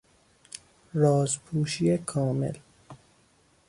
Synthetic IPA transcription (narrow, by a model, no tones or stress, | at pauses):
ɾɒːzpʰuːʃiekʰɒːmḛl